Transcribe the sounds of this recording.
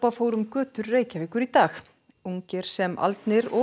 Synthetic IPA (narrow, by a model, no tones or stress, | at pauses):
pafoːwɾʏmkœːt̪ʏɾːeːjcavɪːkʏɾit̪aːx | uɲcɛɾ̥sɛmʔa̰lt̪nɪɾɔ